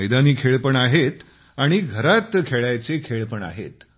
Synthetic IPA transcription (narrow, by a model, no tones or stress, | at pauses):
əjd̪aniːkʰeɭpəɳaɦet̪ | aɽ̃iɡʱəɾat̪kʰeɭajt͡sekʰeɭpəɳa̰ɦḛt̪